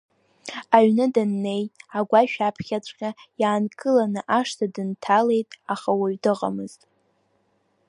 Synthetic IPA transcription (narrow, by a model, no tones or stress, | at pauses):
aɥnɨdanːe̞jaɡʷaʃᶣapʰχʲat͡sʷʼqʲʼajaːnkʼɨlanɨʔaʂtʰadɨntʰale̞jtʼaχawaɥdɨʁʼa̰mɨztʼ